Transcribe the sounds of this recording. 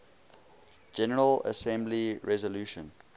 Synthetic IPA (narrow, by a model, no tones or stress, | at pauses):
d͡ʒɛnəɹələ̰sɛ̃mbliɹɛzəluːʃə̰̃n